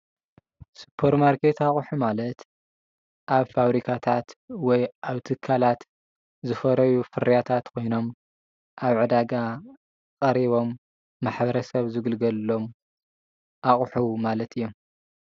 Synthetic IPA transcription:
su̥pʰːɐɾmaɾkʰe̞t̪aχʼħumalɐt̪ | ʔaβfaβɾikʰat̪ʰat̪wɔjʔaβt̪ʰɨkʰːalat̪ | zɨfɐɾɐjufɨɾijat̪ʰat̪kʰo̞jno̞m | ʔaβʕɨd̪aɡa | kʼɐɾiβo̞mː | aħbɐɾɐsɐβzɨɡɨlɡɐlo̞m | ʔaχʼħumalɐt̪ʰɨijːo̞m

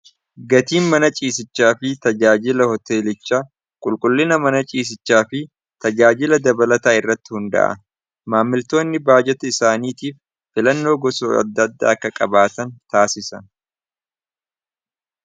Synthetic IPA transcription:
ɡɐt̪iːnmɐnɐt͡ʃʼiːs̬ɪt͡ʃːaːfɪt̪ɐd͡ʒaːd͡ʒɪlɐhɔt̪e̞ːlɪt͡ʃːaː | kʼʊlkʼʊlːɪnɐmɐnɐt͡ʃʼiːs̬ɪt͡ʃːaːfɪ | t̪ɐd͡ʒaːd͡ʒɪlɐd̪ɐbɐlɐt̪aːɪrːɐt̪ːɪhʊnd̪ɐ̰ʔɐ̰ | maːmːɪlt̪o̞ːnːɪbaːd͡ʒɛt̪ɐɪsaːniːt̪iːfː | ɪlɐnːo̞ːɡɔso̰ːɐ̰d̪ːɐd̪ːa̰ːɐkːɐkʼɐbaːt̪ɐnt̪aːsɪsɐn

